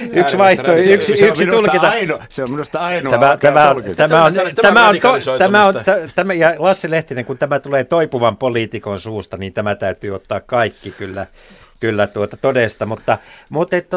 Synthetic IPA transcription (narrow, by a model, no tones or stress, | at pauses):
yksʋɑih̪ooyksiyksinulket̪ɑnseominust̪ɑɑintæmæt̪æmæont̪æmæonæmæont̪ot̪æmæont̪æt̪æmæjɑlɑsːileht̪ineŋkunt̪æmæt̪uleːt̪oipuʋɑmpoliːt̪ikonsuːst̪ɑniːnt̪æmæt̪æyt̪yːot̪ːɑːkkɑikːikylːæ | kylːæt̪uot̪ɑt̪odest̪ɑmut̪ːɑmut̪et̪ːæ